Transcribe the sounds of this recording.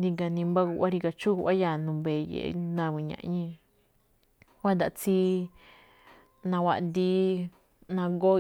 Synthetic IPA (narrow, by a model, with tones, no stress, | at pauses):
nĩ˧ŋɡa˧nĩ˧mba˦ku˧ʔa˦ɾi˧ka˧t͡ʃu˦u˧ʔa˦ja˧˨nũ˧mbe˨˧jḛ˨ʔnã˧˨βĩ˧˨ɲã̰˨ʔɲĩ˧ | wa˦nd̪a˨ʔt͡si˦ | nã˧wʷa˧ʔ̪d̪i˧˦ | nã˧ɡo˦